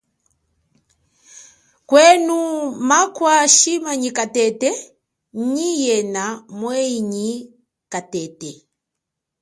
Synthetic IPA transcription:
kwɛnumakwaʃimaɲikatɛtɛ | ɲijɛnamwɛiɲi | katɛtɛ

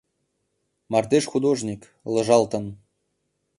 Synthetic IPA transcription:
mɑrd̪eʃxud̪oʒnʲik | lɤ̆ʒɑlt̪ɤ̆n

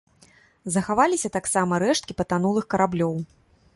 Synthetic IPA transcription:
zɐxavalʲisʲɐt̪aksamɐɾɛʂt̪kʲipɐt̪anulˠɨxkɐɾablʲɔw

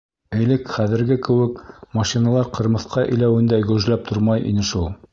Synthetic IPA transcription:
ɘ̆jlɘkχæðɘ̆ɾɡɘkɘ̆wɘkmɑʃinɑlˠɑɾqɤ̆ɾmɤ̆θqɑʔɘ̰̆jlæwɘ̆nd̪æɡɵ̆ʒlæp̚t̪ʰoɾmɑjʔḭnɘʃulˠ

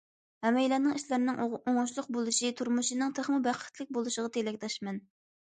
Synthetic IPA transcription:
hɛmɛjlɛnɪŋiʃlæɾnɪŋoŋʊʃlˠʊqbolˠɨʃit̪ʰuɾmuʃinɪŋt̪ʰeχmɨbæqʰːə̥t̪ʰlɪk̚ʲbolˠuʃəʁɑt̪ʰelɛkʲt̪ɛʃmɛn

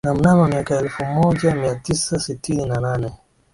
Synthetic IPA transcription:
namunanɔmiakaɛlfumɔd͡ʒamiatisasitininananɛ

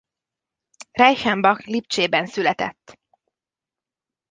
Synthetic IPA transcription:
rɛjʃɛmbɒklipt͡ʃeːbɛnsylɛt̪ɛ̰t̪ː

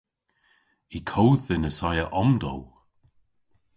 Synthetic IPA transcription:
ikʰowðɪnəsajəʔɔmd̪ɔ̰w

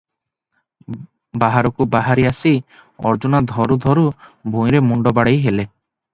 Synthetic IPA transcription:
baɦaɾɔkubaɦaɾiasi | ɔ̰ɾd͡ʒunad̪ʱɔɾud̪ʱɔɾubʱũj̃ɾemuɳɖɔbaɽejɦele

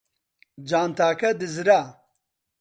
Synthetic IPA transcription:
d͡ʑaːnt̪aːkɐd̪ɪzɾa

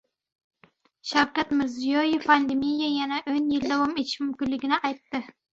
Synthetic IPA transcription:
ʃawkʲat̪mɪɾzijojefpʰand̪emijajanaʔɵnjeld̪awomet͡ʃʰmʏmkʲyllːɪɡʲɪnɪʔɑjt̪ːɨ

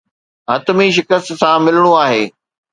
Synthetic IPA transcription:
ɦɐt̪miʃ̬ɪkəst̪sãmɪləɽ̃uaːɦeː

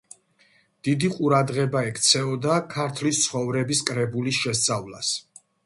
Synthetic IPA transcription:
d̪̥id̪iqʼuɾad̪ʁɛbaɛkʰt̪sʰɛɔd̪akʰaɾt̪ʰlist̪sʰχɔvɾɛbiskʼɾɛbulisʃɛst̪sʼavlˠas

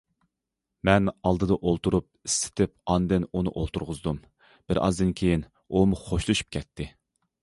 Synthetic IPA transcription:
mɛnɑlˠd̪ɨd̪ɑʔolˠt̪uɾup̚isːɪ̥t̪ʰɪp̚ɑnd̪ɨnunɨ̰ʔolˠt̪ʰuɾʁʊzd̪um | b̥ɪɾʔɑ̰zd̪ɨnkʲʰejin | umuχoʃlˠuʃu̥p̚kʲʰɛt̪ʰːɪ

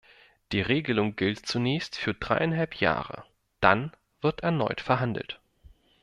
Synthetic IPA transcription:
d̥iːʁeːɡəlʊŋɡɪltt͡sunɛːçstfyːɐd̥ʁa̰ɪʔaɪnɦalpja̰ːʁə̰ | d̥a̰n | v̥ɪɐtɛɐnɔ̰ʏtfɛɐɦandl̩t

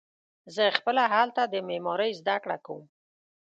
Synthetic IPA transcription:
zəxpəlaɦalt̪ad̪əmemɑɾəjzd̪akɽa̰kawum

